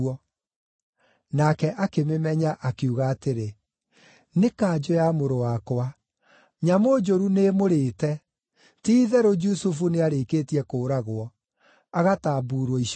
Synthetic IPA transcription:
ɔ | nakɛʔakememɛɲaʔakeuɣaːteɾe | nekaːd͡ʑojamoɾowakoa | ɲamod͡ʒoɾunemoɾeːtɛ | tiːðɛɾod͡ʒusufuneaɾekeːtiɛkoːɾaɣoɔ | aɣataːbuːɾwɔiʃ

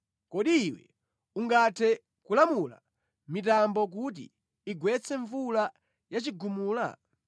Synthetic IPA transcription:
kɔɗiːwɛ̰ | uŋɡatʰɛ | kulamula̰ | mitambɔk̬ut̬ḭː | ɡwɛt͡sʰɛɱvula | jat͡ʃiɡumuːla̰

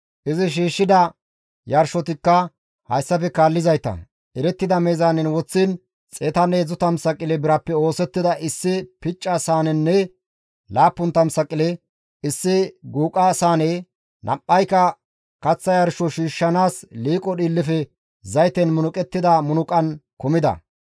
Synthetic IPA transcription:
ʔɪzɪʃ̬iːʃːɪd̪ɐ | jɐɾʃɔt̪ɪkːɐ | hɐjsːɐfɛkaːlːɪzɐjt̪ɐ̰ | ʔɛɾɛt̪ːɪd̪ɐmeːzaːnɪnwɔt͡sːin | t͡sʼeːt̪ɐneːzʊt̪ɐmsɐkʼːɪlɛbɪɾɐpːɛo̞ːsɛt̪ːɪd̪ɐʔɪsːɪpɪt͡ʃʼːasaːnɛnːɛ | laːpːʊnt̪ɐmsɐkʼːɪlɛ | ɪsːɪɡuːkʼasaːne | nʔɐ̰pʼːɐjkɐ | kɐt͡sːɐjɐɾʃɔʃiːʃːɐnaːsliːkʼɔɗiːlːɪfɛ | zɐjt̪ɛnmʊnʊkʼɛt̪ːɪd̪ɐmʊnʊkʼɐnkɔmɪd̪ɐ̰

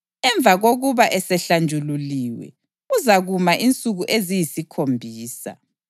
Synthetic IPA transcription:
ɛɱb̪vʱaɣoɣuβaʔɛsɛɬand͡ʒʱululiwɛ̰ | uzaɣumaʔint͡sʼuɣuʔezijisikʰombʱiːsa̰

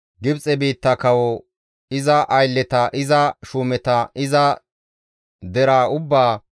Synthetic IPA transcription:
ɡɪbt͡sʼɛbiːt̪ːɐkɐwɔ | ɪzɐʔɐjlːɛt̪ɐʔɪzɐʃuːmɛt̪ɐɪzɐ | d̪ɛɾaːʊbːaː

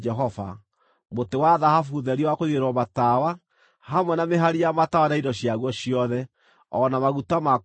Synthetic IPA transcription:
d͡ʒɛɦɔfa̰ | motewaðahafuðɛɾiwakoiɣeɾwɔmatawa | hamwɛnameɦaɾijamatawanaidɔɕiaɣwɔɕiɔðɛ | ɔnamaɣutama

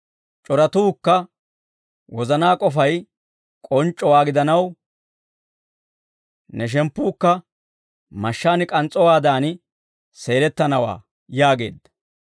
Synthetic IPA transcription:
t͡ʃʼɔɾɐt̪uːkːɐ | wɔzɐnaːkʼɔfɐj | kʼɔnt͡ʃʼːɔwaːɡɪd̪ɐnɐw | nɛʃ̬ɛmpːuːkːɐ | mɐʃːaːnɪkʼɐnt͡sʼɔwaːd̪aːnɪ | se̞ːlɛt̪ːɐnɐwa̰ː | jaːɡe̞̰ːd̪ːɐ̥

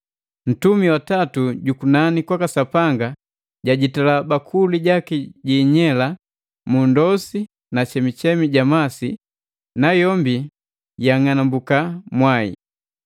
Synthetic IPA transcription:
n̩tumiwatatuɟukunanikwakasapaŋɡa | ɟaɟitalabakʰuliɟakiɟiɲɛla | mundɔsi | nat͡ʃɛmit͡ʃɛmiɟamasi | najɔmbi | jaŋanambukamwaḭ

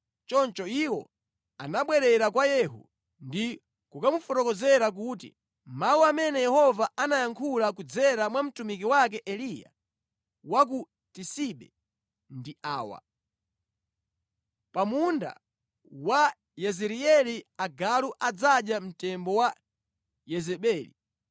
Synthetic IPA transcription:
t͡ʃɔnt͡ʃɔiwɔ̰ | a̰naɓwɛɾɛɾakwajɛɦṵ | ndi | kukamufɔtɔkɔzɛɾak̬utḭ | mawuamɛnɛjɛhɔvaʔanajaŋkʰulak̬ud͡zɛɾamwam̩tumik̬iwakɛʔɛlija̰ | wak̬u | tisiɓɛ̰ | ndiaːwa̰ | pamunda̰ | wa | jɛzɛɾiɛliaɡaluʔad͡zaɗjam̩tɛmbɔwa | jɛzɛɓɛːlḭ

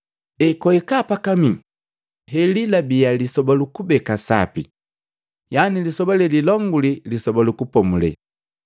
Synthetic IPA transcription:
ɛkɔɛkapakami | ɦɛlilabialisɔbalukubɛkasa̰pi | janilisɔbalɛlilɔŋɡulilisɔbalukupɔmulɛ̰

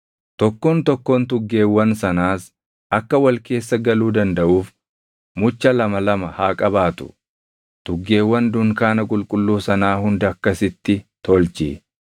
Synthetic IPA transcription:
t̪ɔkːoːnt̪ɔkːoːnt̪ʊɡːeːwːɐnsɐnaːs | ʔɐkːɐwɐlke̞ːsːɐɡɐluːd̪ɐnd̪ɐʔuːf | mʊt͡ʃːɐlɐmɐlɐmɐhaːkʼɐbaːt̪ʊ̥̰ | t̪ʊɡːe̞ːwːɐnd̪ʊŋkaːnɐkʼʊlkʼʊlːuːsɐnaːhʊnd̪ɐɐkːɐsɪt̪ːɪt̪ɔlt͡ʃḭ

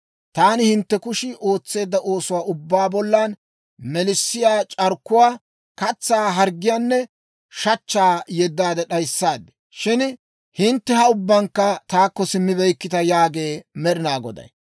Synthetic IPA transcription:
t̪aːnɪhɪnt̪ːɛkʊʃɪʔo̞ːt͡sːe̞ːd̪ːɐʔo̞ːsʊwaːʊbːaːbɔlːan | mɛlɪsːɪjaːt͡ʃʼɐɾkːʊwaː | kɐt͡sːaːɦɐɾɡɪjaːnːɛ | ʃɐt͡ʃːaːjɛd̪ːaːd̪ɛɗɐjsːaːd̪ːɛ̥ | ʃɪn | hɪnt̪ːɛhɐʊbːɐŋkːɐt̪aːkːɔsɪmːɪbɛjkːɪt̪ɐjaːɡe̞ːmɛɾɪnaːɡɔd̪ɐ̰j

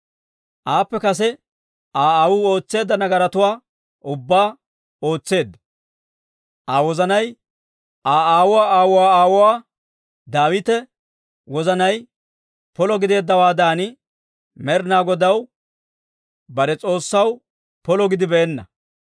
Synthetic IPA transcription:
ʔaːpːɛkɐsɛ | ʔaːaːwʊo̞ːt͡sːe̞ːd̪ːɐnɐɡɐɾɐt̪ʊwaː | ʊbːaː | o̞ːt͡sːe̞ːd̪ːɐ | ʔaːwɔzɐnɐj | ʔaːaːwʊwaːaːwʊwaːaːwʊwaː | d̪aːwɪt̪ɛ | wɔzɐnɐj | pɔlɔɡɪd̪e̞ːd̪ːɐwaːd̪aːnɪ | mɛɾnaːɡɔd̪ɐw | bɐɾɛt͡sʼo̞ːsːɐw | pɔlɔɡɪd̪ɪbɛʔɛnːɐ̰

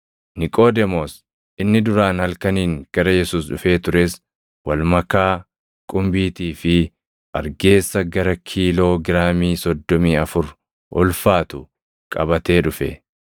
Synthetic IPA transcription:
nɪkʼo̞ːd̪ɛmoːs | ʔɪnːɪd̪ʊɾaːnhɐlkɐniːŋɡ̥ɐɾɐjɛsuːsɗʊfe̞ːt̪ʊɾeːs | wɐlmɐkaː | kʼʊmbiːt̪iːfɪ | ʔɐɾɡe̞ːsːɐɡɐɾɐkʰiːlo̞ːɡɪɾaːmiːsɔd̪ːɔmiːɐfʊɾ | ʔɔ̰lfaːt̪ʊ | kʼɐbɐt̪e̞ːᶑʊfɛ̰

